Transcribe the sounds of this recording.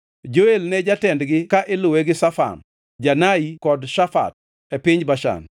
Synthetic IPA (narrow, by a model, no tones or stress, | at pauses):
d͡ʒoelnɛd͡ʒatɛndɡɪkaʔɪloweɡɪsafa̰n | d͡ʒanaikɔdʃafa̰t̚ | epɪɲbaʃa̰n